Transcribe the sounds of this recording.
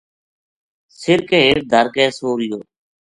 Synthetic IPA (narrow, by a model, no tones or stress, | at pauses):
sɪɾkeːɦeːʈ̚d̪ʱəɾkɛːsoːɾɪjoː